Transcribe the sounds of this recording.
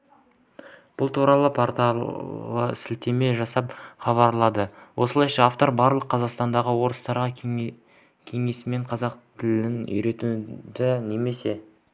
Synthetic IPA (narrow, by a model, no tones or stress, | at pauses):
b̥ʊlˠt̪ʰuɾɑlˠəpʰoɾt̪ɑlə̰sɪlt̪e̞me̞ʒɑsɑpχɑβɑɾlˠɑd̪əwʔo̞səlˠɑjʃɑaft̪o̞ɾbɑɾlˠəqʰːɑzɑqst̪ɑnd̪ɑʁəwo̞ɾəst̪ɑɾʁɑ | kʲʰe̞ŋe̞sɪme̞ɴqʰɑzɑqt̪ʰɪlɪnʏ̰jɾe̞t̪ud̪ɪne̞me̞se̞